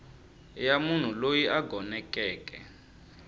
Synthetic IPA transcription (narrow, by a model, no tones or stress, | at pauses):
jamun̤ulojiʔaɡʱɔnɛkʼɛːkɛ̰